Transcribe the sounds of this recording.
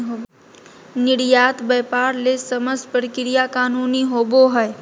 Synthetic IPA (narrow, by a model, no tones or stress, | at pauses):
ɦo | nɪɽjaːt̪bɛːpaɾlesəməspəɾkɪɾijakaːnuːniɦoːboɦəj